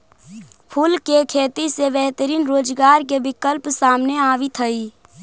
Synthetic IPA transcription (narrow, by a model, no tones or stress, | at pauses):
pʰuːlkekʰeːt̪isebɛɦt̪əɾiːnɾoːd͡ʒɡaːɾkebɪkəlpsaːmneaːʋit̪ʰəiː